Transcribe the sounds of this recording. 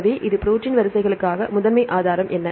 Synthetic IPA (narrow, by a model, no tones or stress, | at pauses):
ʋeːʔɪðɯpɪɾoːt͡ʃːɪnʋɐɾɯsɐɪɣɐɭɯkːaːɣɐmʊðɐmeːʔaːðaːɾɐmʔɛnːɐ